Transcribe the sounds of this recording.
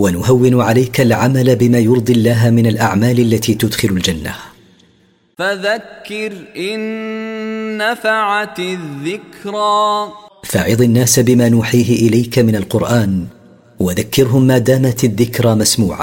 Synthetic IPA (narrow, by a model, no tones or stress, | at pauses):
wanʊhawːɪnʕalajkalʕamalabɪmaːjʊɾˤd̪ˤilːaːɦamɪnalʔa̰ʕmaːlalːat̪iːt̪ʊd̪xɪlʊld͡ʒanːa̰ | faðakːɪɾʔɪnː | afaʕat̪ðːɪkɾaːfaʕɪðˤɪnːaːsabɪmaːnuːħiːɦɪʔɪlajkamɪnalqʊɾʔaːn | waðakːɪɾɦʊmːaːd̪aːmat̪aðːɪkɾˤamasmuːʕa̰